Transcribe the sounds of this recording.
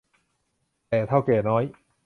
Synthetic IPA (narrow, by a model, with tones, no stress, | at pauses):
t̪ɛː˨˩t̪ʰa˥˩wkɛː˨˩nɔː˦˥j